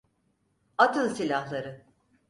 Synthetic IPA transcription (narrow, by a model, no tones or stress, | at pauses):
at̪ɯnsilʲahlˠaɾɯ